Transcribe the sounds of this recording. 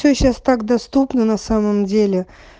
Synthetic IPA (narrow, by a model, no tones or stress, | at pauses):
sʲoɕast̪ak̚d̪ɐst̪upnənɐsaməmdʲelʲɪ